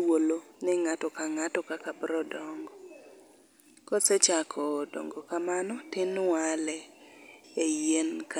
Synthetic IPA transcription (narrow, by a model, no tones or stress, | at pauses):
wolonɪŋatɔkaŋatɔkakabɾɔdɔŋɡɔ | kɔsɛt͡ʃakʰɔdɔ̰ŋɡokamanɔtɪnwalɛ | ejenka